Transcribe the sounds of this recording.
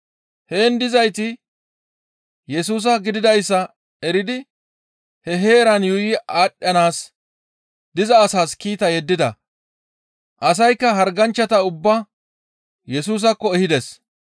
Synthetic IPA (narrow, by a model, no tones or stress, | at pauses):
he̞ːnd̪ɪzɐjt̪ɪ | jɛs̬uːs̬ɐɡɪd̪ɪd̪ɐjsːɐ | ɛɾɪd̪ɪ | hɛɦe̞ːɾɐnjʊjɪaːɗʼjɐnaːs | d̪ɪzɐːsaːskiːt̪ɐjɛd̪ːɪd̪ɐ̰ | ʔɐs̬ɐjkːɐɦɐɾɡɐnt͡ʃːɐt̪ɐʊbːɐ | jɛsuːs̬ɐkːɔɛhɪd̪ɛs